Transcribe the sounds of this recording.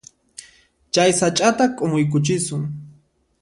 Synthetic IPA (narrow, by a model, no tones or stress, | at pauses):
t͡ʃajsat͡ʃʼat̪akʼomʊjk̬ʊt͡ʃɪsʊŋ